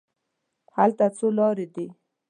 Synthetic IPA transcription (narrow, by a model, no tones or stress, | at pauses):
halt̪at͡solɑɾed̪i